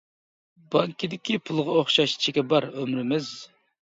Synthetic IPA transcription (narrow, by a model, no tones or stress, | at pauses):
bɑŋkʲid̪ɪkʲʰipʰulˠʁɑoχʃɑʃt͡ʃʰɪkʲɛbɑɾømɾɪmɪz̥